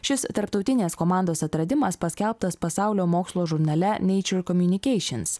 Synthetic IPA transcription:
ʃʲɪst̪ɐɾpt̪ɒʊt̪ʲɪnʲeːskoːmɑˑnd̪oːsɐt̪ɾɐd̪ʲɪmɐspɐsʲkʲɛlˠp̚t̪ɐspɐsɑˑʊlʲoːmoːkslˠoːʒʊɾnɐlʲɛnʲɛɪt͡ʃʲʊɾkɔmʲjʊnʲɪkʲɛɪʃʲɪns

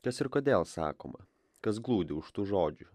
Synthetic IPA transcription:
kɐsɪɾkoːd̪ʲeːlˠsɑ̰ːko̰ːmɐ̰ | kɐs̬ɡlˠuːd̪ʲɪʊʃt̪uːʒoːd͡ʒʲʊ

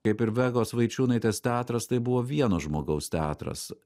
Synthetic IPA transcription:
kɐɪpɪɾʋʲɛɡoːsʋɐɪt͡ʃʲuːnɐɪt̪ʲeːst̪ʲæːt̪ɾɐst̪ɐɪbʊʋoːʋʲiɛnoːʒmoːɡɐʊst̪ʲæːt̪ɾɐ̰s

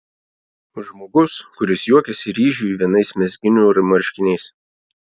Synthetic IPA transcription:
ʒmoːɡʊskʊɾʲɪsjuɔkʲɛsʲɪɾʲiːʒʲuːiʋʲiɛnɐɪsmʲɛzʲɡʲɪnʲuːɾmɐɾʲʃʲkʲɪnʲɛɪs

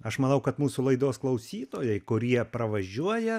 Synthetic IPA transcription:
ɐʃmɐnɐʊkɐt̪muːsʊlˠɐɪd̪oːsklˠɐʊsʲiːt̪oːjɛɪkʊɾʲiɛpɾɐʋɐʒʲuɔjɛ

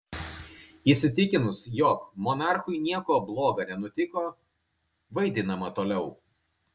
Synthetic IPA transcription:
ɪsʲɪt̪ʲɪkʲɪnʊsjɔːkmɔnɑˑɾxʊɪnʲiɛkoːblˠoːɡɐnʲɛnʊt̪ʲɪkoː | ʋɐɪd̪ʲɪnɐmɐt̪oːlʲɛʊ

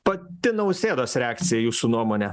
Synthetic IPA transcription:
pɐtt̪ʲɪnɐʊsʲeːd̪oːsɾʲɛaːkt̪sʲɪjɛjuːsuːnuɔmoːnʲɛ

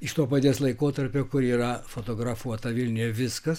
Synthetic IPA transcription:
ɪʃt̪oːpɐt̪ʲeːslˠɐɪkoːt̪ɐɾʲpʲoːkʊɾiːrɐfot̪oːɡɾɐfuɔt̪ɐʋʲɪlʲnʲyjɛʋʲɪskɐs

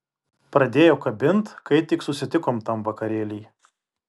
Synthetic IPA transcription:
pɾɐd̪ʲeːjoːkɐbʲɪnˑt̪kɐɪt̪ʲɪksʊsʲɪt̪ʲɪkoːmt̪ɐmʋɐkɐɾʲeːlʲiː

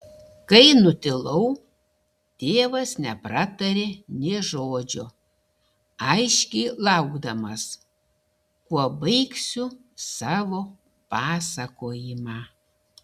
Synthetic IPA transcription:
kɐɪnʊt̪ʲɪlˠɐʊ | t̪ʲeːʋɐsnʲɛpɾɐt̪ɐɾʲeːnʲeːʒoːd͡ʒʲʊ | ɐɪʃʲkʲɛɪlˠɐʊɡd̪ɐmɐs | kuɔbɐɪksʲʊ | sɑːʋoː | pɑːsɐkoːjɪmɑː

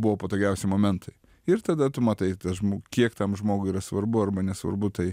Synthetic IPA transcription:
bʊʋoːpɐt̪oːɡʲɛʊsʲɪmoːmʲɛnt̪ʰɐɪ | ɪrt̪ɐd̪ɐt̪ʊmɐt̪ɐɪt̪ɐʒmokʲiɛkt̪ɐmʒmoːɡʊiːɾɐsʋɐrbʊɐrbɐnʲɛsʋɐ̰ɾbʊt̪ɐɪ

